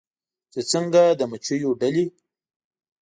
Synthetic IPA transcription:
t͡sət͡səŋɡad̪əmət͡ʃəjoɖali

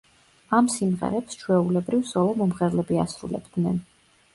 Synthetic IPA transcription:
amsimʁɛ̰ɾɛpst͡ʃʰwɛulɛbɾivsɔlɔmɔmʁɛɾlɛbiasɾṵlɛ̰b̥d̪nɛn

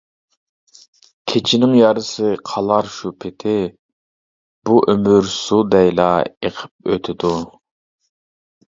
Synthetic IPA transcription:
kʲʰet͡ʃʰɪnɪŋjɑɾɨsɨqʰɑlˠɑɾʃupʰɪt̪ʰɪ | b̥uʔømyɾsud̪ɛjlˠɑeqʰə̥p̚øt̪ʰɪd̪u

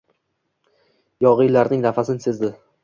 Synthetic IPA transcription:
jɒʁijlaɾnɪŋnafasɪnsezd̪ɪ

